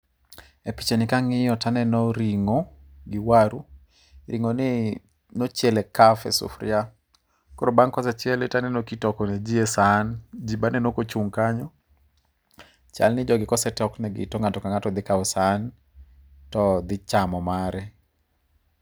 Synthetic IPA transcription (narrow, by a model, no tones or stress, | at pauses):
epit͡ʃenɪkaŋɪjɔtanɛnɔɾiŋoɡɪwaɾu | ɾʔiŋonɪ | not͡ʃjɛlekafɛ̰sʊ̰fɾɪa | koɾobaŋkɔsɛt͡ʃɪɛletanɛnokitɔkɔned͡ʒiesand͡ʒibanɛnokot͡ʃuŋkaɲɔ | t͡ʃa̰lnɪd͡ʒɔɡɪkɔsɛtɔknɛɡɪ̰tɔŋatɔkaŋatɔd̪ɪkaʊsan | tɔd̪ɪt͡ʃamɔmaɾɛ